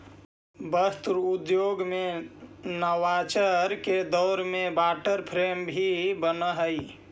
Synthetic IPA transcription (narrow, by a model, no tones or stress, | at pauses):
bəst̪ɾud̪joɡmẽ | nəwat͡ʃəɾked̪ɔːɾmẽbaːʈəɾpʰɾembʱibənəɦəi